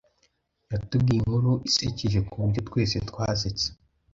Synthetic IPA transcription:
jatub̚ɡijiŋ̥uɾuʔisiciʒekuβuɾɟo̞tkwe̞ːsetwaːset͡se̥

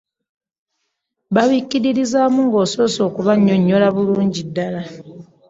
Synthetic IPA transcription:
βaβicːiɾiɾizaːmuŋɡo̞ːso̞so̞ːkuβaɲːo̞ɲːo̞laβuluːɲɟidːala

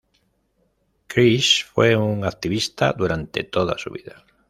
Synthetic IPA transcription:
kɾisfweuŋakt̪iβist̪a̰ðd̪uɾant̪ḛt̪oða̰suβiða

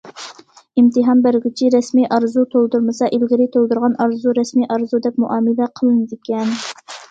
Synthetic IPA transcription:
imt̪ɨɦɑnbæɾɡʲyt͡ʃʰiɾɛsmiʔɑɾzut̪ʰolˠd̪uɾmɨsɑʔilɡʲiɾɪt̪ʰolˠd̪uɾʁɑnʔɑɾzuɾɛsmiʔɑɾzud̪ɛpmuʔɑːmɨlɛqʰəlˠɨnɨd̪ɪkʲʰɛn

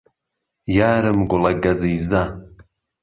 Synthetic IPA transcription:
jaːɾɨmɡʷʊlaɡazijza

